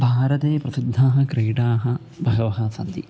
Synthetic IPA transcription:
bʱaːɾɐt̪eːpɾɐsid̪ʱːaːɦɐ̆kɾeːʈaːɦɐ | bʱɐɡɐʋɐɦɐsɐnd̪i

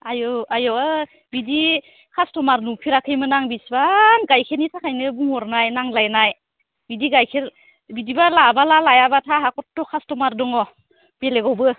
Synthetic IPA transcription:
ajɔajɔ | bidi | kʰastɔmaɾnupʰiɾakʰɯjmɯnaŋbisbanɡajkʰenitʰakʰajnɯbuŋɔɾnajnaŋlajnaj | bidiɡajkʰeɾ | bidibalabalalajabatʰaɦakɔtːɔkʰastɔmaɾdɔŋɔ | b̥eleɡɔwbɯ

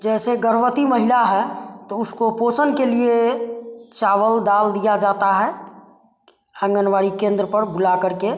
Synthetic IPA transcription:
d͡ʒɛːseɡəɾwət̪iməɦɪlaɦɛt̪oʊskopoːsənkelie | t͡ʃaːʋəld̪aːld̪ijad͡ʒaːt̪aɦɛ | ə̃ŋɡənwaːɽikẽːnd̪ɾəpəɾbʊlakəɾke

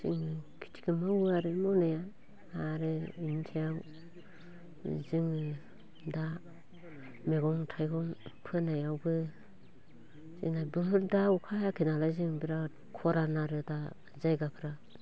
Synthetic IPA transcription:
zḭŋɯkʰi̥tʰi̥kɯmawuaɾɯmɔwnaja | aɾɯintʰijaw | ziŋɯ | da | meɡɔŋtʰajɡɔŋpʰɯnajawbɯ | zḭnabɯhɯɾdaukʰajakʰinalajzɯŋbiɾa | kʰɔɾanaɾɯda | zajɡapʰɯɾa

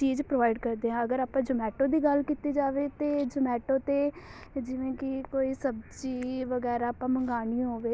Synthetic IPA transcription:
t͡ʃiːd͡ʒpɾoːʋaːɪɖkəɾd̪eːɦɛ̃əɡəɾaːpãːd͡ʒʊmɛːʈõːd̪iːɡəlkiːt̪iːd͡ʒaːʋeːt̪eːd͡ʒʊmɛːʈõːt̪eː | d͡ʒɪʋẽːkɪkoːiːsəbd͡ʒiːʋəɡɛːɾaəːpãːməŋɡaːñiɦoːʋeː

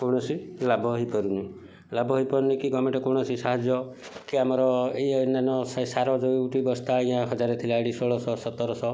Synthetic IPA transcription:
kɔwɽ̃ɔsilabʱɔɦipɔɾuni | labʱɔɦipɔɾunikiɡɔmeɳʈɔkɔwɽ̃ɔsisaɦad͡ʒjɔ | kiamɔɾɔejɔnanɔssaɾɔd͡ʒojuʈibɔst̪aĩɦãɦɔd͡ʒaɾet̪ʰilaɽisɔɭɔsɔsɔt̪ːɔɾɔsɔ

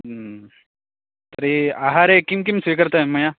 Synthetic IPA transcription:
t̪əɾiaɦaɾekimkimsʋikəɾt̪aeməja

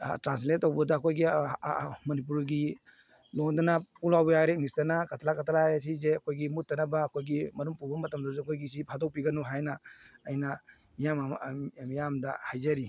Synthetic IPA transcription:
tɾans̬letːowbɐdaːkʰojɡi | mɐnip̬uɾɡi | loŋdɐnapulawbɐjaɾenistɐnɐkatʰalakatʰalaɾjas̬izeɐkʰojɡimut̚ːɐnɐbɐːkʰojɡimɐɾumpuɾbɐmɐtɐmdazeɐkʰojɡis̬ipʰadɔk̚piɡɐnuɦajnɐːjnɐ | mijammijamdɐ̰hajzɐɾi

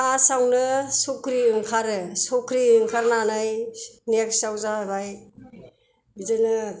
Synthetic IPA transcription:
asawnɯsɔkʰɾiɯŋkʰaɾɯsɔkʰɾiɯŋkʰaɾnanajnjak̚sawzabaj | bizɯnɯ

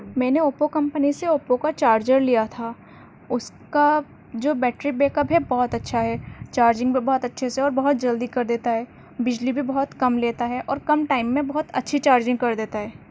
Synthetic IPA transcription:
mɛ̃ːneoːpokɐ̃mpəniseoːpokat͡ʃaːɾd͡ʒəɾlijat̪ʰaː | ʊska | d͡ʒoːbɛːʈɾibeːkəpɦɛbɔɦʊt̪ɐtːʃʰaɦɛːt͡ʃaːɾd͡ʒɪ̃ŋɡbʱibɔɦʊt̪ɐtːʃʰeseɔːɾbɐɦʊt̪̚d͡ʒɐld̪ikɐɾd̪eːt̪aɦɛː | bɪd͡ʒlibʱibɔɦʊt̪kɐmleːt̪aɦɛʔɔːɾkɐmʈaːɪmːẽbɐɦʊt̪ɐ̰tːʃʰit͡ʃaːɾd͡ʒɪ̃ŋɡ̚kɐɾd̪eːt̪aɦɛː

